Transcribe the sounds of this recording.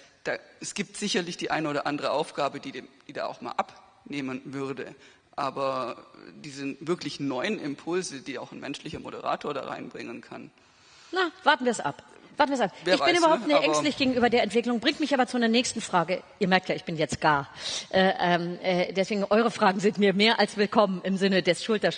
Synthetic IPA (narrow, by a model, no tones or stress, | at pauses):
d̥aːɛsɡ̥iːp̚tz̥ɪçɐlɪçd̥iːʔaɪnəoːdɐʔandəʁəʔaʊfɡ̥aːbədiːd̥iːda̰ːʔa̰ʊxma̰ːlʔap | neːmənvʏʁdə | ʔaːbɐ | d̥iːzəvɪɐklɪçnɔʏənʔɪ̰mpʰʊlzəd̥iːaʊxnmɛnʃlɪçɐmodə̰ʁa̰ːtʰoːɐda̰ːʁa̰ɪnbʁɪŋənkʰa̰n | nav̥aɐtn̩viːɐsʔa̰p | vaːɐtn̩viːɐsap̚veːɪçb̥ɪnnybɐhaʊptnɪtʔɛŋsttlɪçɡ̥eːɡŋ̩ʔyːbɐdeːɐɛntv̥ɪklʊŋbʁɪŋtmɪçʔaːbɐt͡sunɐnɛːçstn̩fʁ̥aːɡəʔiːɐmɛɐk̚tjaːɪçb̥ɪnjɛt͡stɡ̥aːɐʔɛːʔɛmɛːdɛsv̥eːɡŋ̩ʔɔʏʁ̞əfʁ̥aːɡŋ̩zɪntmiːɐmeːɐʔalsv̥ɪlkʰɔmənɪmzɪnədɛsʃʊltɐ